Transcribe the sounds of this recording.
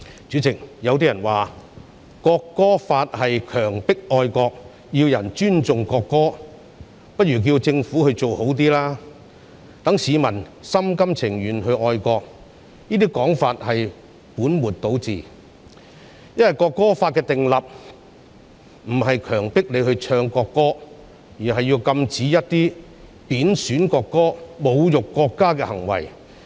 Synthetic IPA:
t͡ʃyː˨˥t͡sɪ˨k̚jɐ˨˧wt̪̬iː˥jɐ˨˩nwaː˨ | kɔː˧kːɔː˥faː˧t̚hɐ˨jkʰœː˨˩ŋpɪ˥k̚ʔɔː˧jkɔː˧k̚ | ji˧wjɐ˨˩nt͡ʃyː˥nt͡sʊ˨ŋkɔː˧kːɔː˥ | pɐ˥t̚jyː˨˩k̬iː˧wt͡sɪ˧ŋfuː˨˥hɵ˧ɥt͡so˨who˨˥wt̪̬iː˥laː˥ | t̪ɐ˨˥ŋsiː˨˧mɐ˨˩n | sɐ˥mkɐ˥mt͡sʰɪ˨˩ŋjyː˨˩nhɵ˧ɥʔɔː˧jkɔː˧k̚ | niː˥t̪iː˥kɔː˨˥ŋfaː˧t̚hɐ˨j | puː˨˥nmuː˨t̚t̪o˨˥wt͡sḭː˨ | jɐ˥nwɐ˨jkɔː˧kːɔː˥faː˧t̚kɛː˧t̪ɪ˨ŋlɐ˨p̚ | m̩˨˩ɦɐ˨jkʰœː˨˩ŋpɪ˥k̚le˨˧jhɵ˧ɥt͡ʃʰœː˧ŋkɔː˧kːɔː˥ | jyː˨˩nɦɐ˨jːiː˧wkɐ˧mt͡siː˨˥jɐ˥t̚t̪iː˥ | piː˨˥nsyː˨˥nkɔː˧kːɔː˥mo˨˧wjʊ˨kːɔː˧kːaː˥kɛː˧hɐ˨˩ŋwɐ̰˨˩j

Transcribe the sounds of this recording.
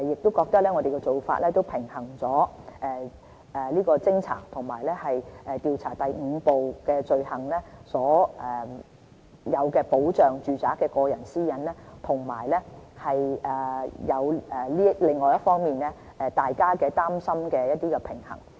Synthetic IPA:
jɪ˨k̚t̪o˥wkɔː˧k̚t̪ɐ˥k̚lɛː˥ŋɔː˧d̪e˨kɛ˧t͡so˨wfa̰˧t̚lɛː˥t̪o˥wpʰɪ˨˩ŋhɐ˨˩ŋt͡sɔː˨˥ʔɛː˨˧ | ɛː˨˩liː˥kɔː˧t͡sɪ˥ŋt͡sʰa̰ː˨˩t̪ʰʊ˨˩ŋmaː˨˩jlɛː˥hɐ˨jʔɛː˨t̪iː˨˧wt͡sʰa̰ː˨˩t̪ɐ˨jŋ̩˨˧po˨wkɛː˧t͡ʃɵ˧ɥhɐ˨˩ŋlɛ˥sɔː˨˥ɛ˨ | jɐ˨˧wkɛː˧po˨˥wt͡ʃœː˨ŋt͡ʃyː˨t͡saː˨˥kːɛː˧kɔː˧jɐ˨˩nsiː˥jɐ˨˥nlɛː˥t̪ʰʊ˨˩ŋmaː˨˩jlɛ˥hɐ˨jʔɛː˨˩jɐ˨˧wɛː˨liː˥lɪ˨ŋːɔː˨jɐ˥t̚fɔː˥ŋmiː˨nlɛː˥ | ɛ˨˧t̪aː˨jkaː˥kɛː˧t̪aː˥msɐ˥mkɛː˧jɐ˥t̚t̪iː˥kɛ˧pʰɪ˨˩ŋhɐ̰˨˩ŋ

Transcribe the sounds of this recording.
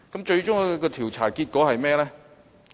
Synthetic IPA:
kɐ˨˥mt͡ʃɵ˧ɥt͡ʃʊ˥ŋ˨˧kɔː˧t̪ʰiː˨˩wt͡sʰaː˨˩kiː˧t̚kɔː˨˥hɐ˨jmɛː˥lɛː˥

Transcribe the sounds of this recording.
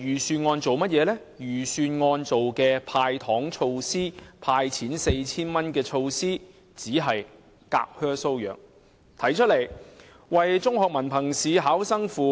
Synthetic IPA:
jyː˨˩syː˧nŋɔː˧nt͡so˨wmɐ˥t̚jɛː˨˧lɛː˥ | jyː˨˩syː˧nŋɔː˧nt͡so˨wkɛː˧pʰaː˧jt̪ʰɔː˨˥ŋt͡ʃʰo˧wsiː˥pʰaː˧jt͡sʰiː˨˥nse˧jt͡sʰiː˥nmɐ˥nkɛː˧t͡ʃʰo˧wsiː˥ | t͡siː˨˥ɦɐ˨j | ka̰ː˧k̚hœː˥so˥wjœ̰ː˨˩ŋ | t̪ʰɐ˨˥jt͡ʃʰɵ˥le˨˩j | wɐ˨˩jt͡sʊ˥ŋhɔː˨k̚mɐ˨˩npʰɐ˨˩ŋsiː˨˧ɦaː˨˥wsɐ˥ŋfuː˨˧

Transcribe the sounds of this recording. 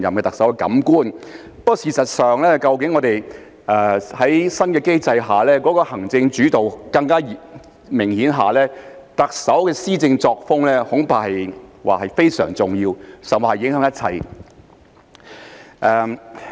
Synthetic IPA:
jɐ˨mkɛː˧t̪ɐ˨k̚sɐ˨˥wkɛ˧kɐ̰˨˥mkuː˥n | pɔ˥siː˨sɐ˨t̚sœː˨ŋlɛː˥kɐ˧wkɪ˨˥ŋːɔː˨˧t̪e˨˩j | ɛː˨hɐ˨˥jsɐ˥nkɛː˧ke˥jt͡sɐ˧jɦaː˨lɛː˥kɔː˨˥kɔː˧hɐ˨˩ŋt͡sɪ˧ŋt͡ʃyː˨˥t̪o˨wkɐ˧ŋkaː˥j | mɪ˨˩ŋhiː˨˥nɦaː˨lɛː˥t̪ɐ˨k̚sɐ˨˥wkɛː˧siː˥t͡sɪ˧ŋt͡sɔː˧k̚fʊ˥ŋlɛː˥hʊ˨˥ŋpaː˧˩hɐ˨jwa̰ː˨˩hɐ˨jfe˥jsœː˨˩ŋt͡sʊ˨˩ŋjiː˧wsɐ˨m˨hɐ˨jːɪ˨˥ŋhɦœː˨˧˥ŋjɐ˥t̚t͡sʰɐ̰˨˩j | ʔɛː˨˧

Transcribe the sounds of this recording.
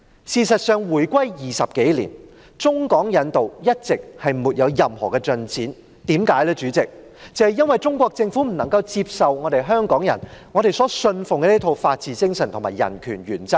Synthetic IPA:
siː˨˧sɐ˨t̚sœː˨˧ŋwuː˨˩jkʷɐ˥jjiː˨sɐ˨p̚ke˨˥jlḭː˨˩n | t͡sʊ˥ŋkɔː˨˥ŋjɐ˨˧nt̪o˨wjɐ˥t̚t͡sɪ˨k̚hɐ˨˩jmuː˨t̚jɐ˨˧wjɐ˨mhɔ̰ː˨˩kɛː˧t͡sɵ˨˧nt͡sʰiː˨˥n | t̪iː˨˥mkaː˨˥jlɛː˥t͡ʃyː˨˥t͡sɪ˨k̚ | t͡sɛ˨hɐ˨jɐ˥nwɐ˨jt͡sʊ˥ŋkʷɔː˧k̚t͡sɪ˧ŋfuː˨˥m̩˨˩nɐ˨˩ŋkɐ˧wt͡siː˧p̚sɐ˨wŋɔː˨˧ɾe˨jɦœː˥ŋkɔː˨˥ŋjɐ̰˨˩nŋɔː˨˧ɾe˨jsɔː˨˥sɵ˧nfʊ˨˩ŋkɛ˧˥i˥t̪ʰo˨˧wfaː˧t̚t͡siː˨˧t͡sɪ˥ŋsɐ˨˩nt̪ʰʊ˨˩maː˨˩jɐ̰˨˩nkʰyː˨˩nɥyː˨˩nt͡sɐ˥k̚

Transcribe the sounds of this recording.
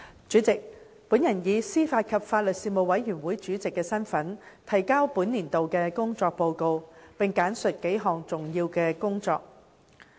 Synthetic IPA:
t͡ʃy˨˥t͡sɪ˨k̚ | pu˨˥njɐ˨˩njiː˨˧siː˥faː˧t̚kʰɐ˨p̚faː˧t̚lɵ˨t̚siː˧mo˨wɐ˨˥jjyː˨˩nwuː˨˥jt͡ʃyː˨˥t͡sɪ˨kːɛː˧sɐ˥nfɐ˨˥nt̪ʰɐ˨˩jkaː˥wpuː˨˥nliː˨˩nt̪o˨wkɛː˧kʊ˥ŋt͡sɔː˧k̚po˧wko˧wpɪ˨ŋkaː˨˥nsɵ˨t̚ke˨˥jɦɔː˨˩ŋt͡sʊ˨˩ŋjiː˧wkɛː˧kʊ˥ŋt͡sɔ̰ː˧k̚

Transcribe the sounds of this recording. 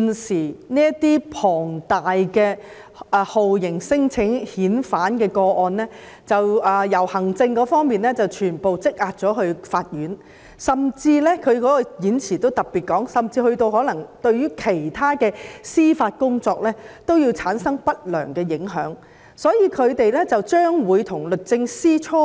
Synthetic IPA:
nsiː˨˩niː˥ɐ˥t̪iː˥pʰɔː˨˩ŋt̪aː˨jkɛː˧ | ho˨wjɪ˨˩ŋsɪ˥ŋt͡sʰɪ˨˥ŋhiː˨˥nfaː˨˥nkɛː˧kɔː˧ʔɔː˧nlɛː˥ | t͡sɐ˨wʔɛː˨jɐ˨˩whɐ˨˩ŋt͡sɪ˧ŋkɔː˨˧˥fɔː˥ŋmiː˨nɛ˥t͡sɐ˨wt͡ʃʰyː˨˩npo˨wt͡sɪ˥k̚ʔaː˧t̚t͡ʃɔː˨˥ɦɵ˧ɥfaː˧t̚jyː˨˥n | sɐ˨mt͡siː˧lɛ˥kʰɵ˨˧ɥkɔː˨˦˥kɔ˧jiː˨˥nt͡sʰiː˨˩t̪o˥wt̪ɐ˨˩k̚pːiː˨t̚kɔː˨˥ŋsɐ˨mt͡siː˧hɵ˧ɥt̪o˧wɦɔː˨˥lɐ˨˩ŋt̪ɵ˧ɥɥyː˥kʰe˨˩jt̪ʰaː˥kɛː˧siː˥faː˧t̚kʊ˥ŋt͡sɔː˧k̚lɛː˥t̪o˥wjiː˧wt͡sʰaː˨˥nsɐ˥ŋpɐ˥t̚lœ̰ː˨˩ŋkɛː˧jɪ˨˥ŋɦœ̰ː˨˥ŋ | sɔː˨˥jiː˧kʰɵ˨˧ɥt̪e˨jlɛː˥t͡sɐ˨wt͡ʃœː˥ŋwuː˨˧jt̪ʰʊ˨˩ŋlɵ˨t̚t͡sɪ˧ŋsiː˥t͡ʃʰɔː˥

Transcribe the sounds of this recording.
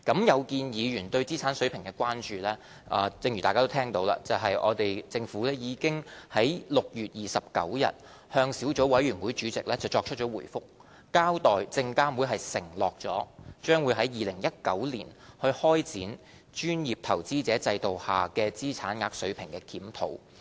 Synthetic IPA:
kɐ˨˥mjɐ˨˧wkiː˧njiː˨˧jyː˨˩nt̪ɵ˧ɥt͡siː˥t͡sʰaː˨˥nsɵ˨˥ɥpʰɪ˨˩ŋkɛː˧kʷwaː˥nt͡ʃyː˨˧lɛː˥ | ʔɐː˨˧t͡sɪ˧ŋjy˨˩taː˨kaː˥t̪o˥t̪ʰɛː˥ŋt̪o˨˧wla̰ː˧t͡sɐ˨wɦɐ˨jʔɔ̰ː˨˧t̪e˨jt͡sɪ˧ŋfuː˨˥lɛː˥jiː˨˧kɪ˥ŋhɐ˨˥jlʊ˨k̚jyː˨t̚jiː˨sɐ˨p̚kɐ̰˨˥wjɐ̰˨t̚ | hœː˧ŋsiː˨˥wt͡so˨˥wɐ˨˥jɥyː˨˩nwuː˨˥jt͡ʃyː˨˥t͡sɪ˨k̚lɛː˥t͡sɐ˨wt͡ʃɔː˧k̚t͡ʃʰɵ˥t̚t͡ʃɔː˨˥wuː˨˩jfʊ˥k̚ | kaː˥wt̪ɔː˨jt͡sɪ˧ŋkaː˥wuː˨˥jɦɐ˨jsɪ̰˨˩ŋlɔː˨k̚t͡ʃɔ̰ː˨˥t͡ʃœː˥ŋwuː˨˧jɦɐ˨˥jːiː˨lɪ˨˩ŋjɐ˥t̚kɐ˨˥wliː˨˩nhɵ˧ɥhɔː˥jt͡siː˨˥n | t͡ʃyː˥njiː˨p̚t̪ʰɐ˨˩wt͡siː˥t͡sɛː˨˥t͡sɐ˧jt̪o˨whaː˨kɛː˧t͡siː˥t͡sʰaː˨˥nŋaː˧k̚sɵ˨˥ɥpʰɪ˨˩ŋkɛː˧kʰiː˨˥mt̪ʰo̰˨˥w

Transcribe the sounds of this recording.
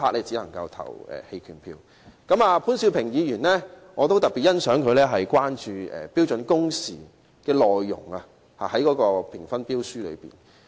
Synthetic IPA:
pʰaː˧˥k̚lɛː˥t͡si˨˥lɐ˨˩ŋkɐ˧wt̪ʰɐ̰˨˩wɛ̰ː˨˩he˧jkʰyː˨˩npʰiː˧w | kɐ˨˥maː˧pʰuː˨˥nsiː˧wpʰɪ˨˩ŋjiː˨˧jyː˨˩nlɛː˥ŋɔː˨˧t̪o˥wt̪ɐ˨t̚pːi˨˩t̚jɐ˥nsœː˨˥ŋkʰɵ˨˧ɥlɛː˥ɦɐ˨jkwaː˥nt͡ʃyː˨˧ɛ̰ː˨˩piː˥wt͡ʃɵ˨˥nkʊ˥ŋsḭː˨˩ | kɛː˧lɔː˨jːʊ̰˨˩ŋa˧ | haː˨˩hɐ˨˥jkɔː˨˥kɔː˧pʰɪ˨˩ŋfɐ˥npiː˥wsyː˥lɵ̰˨˧pḭː˨˩n

